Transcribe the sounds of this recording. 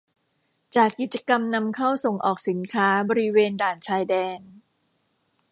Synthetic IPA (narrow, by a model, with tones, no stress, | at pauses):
t͡ɕaː˨˩kːi˨˩t̪̚t͡ɕa˧ka˧mna˧mkʰa˥˩wso˨˩ŋʔɔː˨˩k̚si˩˦nkʰaː˦˥bɔː˧ɾi˦˥weː˧ndaː˨˩nt͡ɕʰaː˧jdɛː˧n